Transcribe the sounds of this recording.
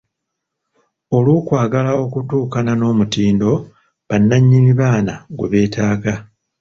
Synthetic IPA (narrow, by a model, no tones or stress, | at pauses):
o̞luːkwaːɡalao̞kutuːkanano̞ːmutiːndo̞ | βanːaɲːimiβaːnaɡweβe̞ːtʰaːɡa